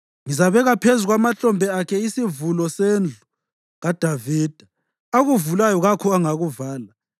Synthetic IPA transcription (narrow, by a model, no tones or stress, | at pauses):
ŋizaβɛɣapʰezuɣamaɬɔmbʱɛakʰɛisivulɔsend͡ɮʱu | ɣad̥ʱaviːd̥ʱa | aɣuvulajɔɣakʰɔaŋaɣuvaːla